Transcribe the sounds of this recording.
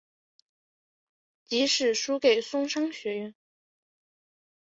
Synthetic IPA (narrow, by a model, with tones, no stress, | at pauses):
t͡ɕi˧˥ʂɻ̩˥˩ʂu˥ke˨˩ɪsʊ˥ŋʂɑ˥ŋɕɥɛ˧˥ɥɛ˥˩n